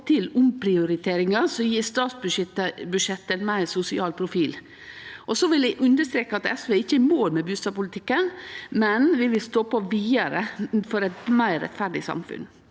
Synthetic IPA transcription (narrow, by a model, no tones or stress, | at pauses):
t̪ʰɪlʊmpʰɾɪʊɾɪt̪ʰeːɾɪŋɑsɔjiːst̪ɑːt̪sbʉɛt̪əbʉʂɛt̪ːənmæɪsʊsɪɑːlpʰɾʊfiːl | ʔɔsɔʋɪlæɪʔʉnd̪əʂt̪ɾeːkəɑt̪ɛ̰sʋeːɪçːəæmoːɾmɛbʉːst̪ɑbpʊlt̪ʰɪkːənmɛnʋɪʋɪlst̪oːpɔʋiːəɾəfɔɾɛt̪mæɪɾːɛ̰t̪fæɖɪ̰sɑ̰mfʉ̰n